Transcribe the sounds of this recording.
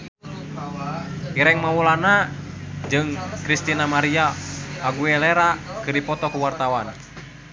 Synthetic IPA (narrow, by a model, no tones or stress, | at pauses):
iɾɛŋmawulana | d͡ʒɨŋkɾist̪inamaɾiaaɡuɛlɛɾakɨrdipɔt̪ɔkuwart̪awan